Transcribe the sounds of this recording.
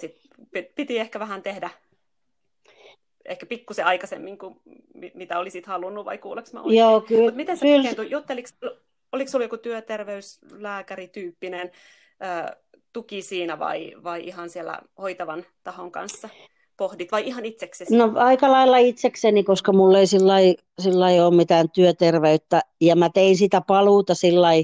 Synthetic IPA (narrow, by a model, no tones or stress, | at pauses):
sit̪pitpit̪iehkæʋæhænt̪ehdæ | ḛhkæpikːuseɑikɑsḛmːiŋku | mimit̪æolisit̪hɑlunːuʋʋɑ̰ikuːleksmɑ̰o̰joːkylut̪mit̪enseylent̪ujut̪ːeliksl | oliksulːjokut̪yøt̪erʋeys | læːkærit̪yːpːinen | əːt̪ukisiːnæʋɑ̰iʋɑiʔihɑnsielːæ̰hoit̪ɑʋɑn | t̪ɑhoŋkɑ̰nsːɑ | pohdit̪ʋɑiihɑnit̪seksesnoɑikɑlɑilːɑit̪seksenikoskɑmulːeisilːɑi | silːɑioːmmit̪æːnt̪yøt̪erʋeyt̪ːæjɑmæt̪einsit̪æpɑluːt̪ɑsilːɑi